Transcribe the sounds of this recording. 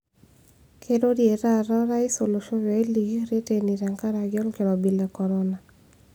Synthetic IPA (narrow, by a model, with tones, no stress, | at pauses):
kʰe˦do˦dje˨ɾa˦ɾɔ˦ɾa˦i˦so˨lo˨ʃo˦jɔ˨e˦li˨ɡi˦ɾe˦te˦ni˨ɾa˨ŋka˦ɾa˨ɡɔ˦lke˨ɾɔ˨bi˨le˨kɔ˨ɾɔ˦na˨